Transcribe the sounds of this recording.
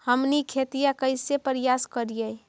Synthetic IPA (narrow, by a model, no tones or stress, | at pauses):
həmnikʰet̪ijakəɪsepəɾjaskəɾijə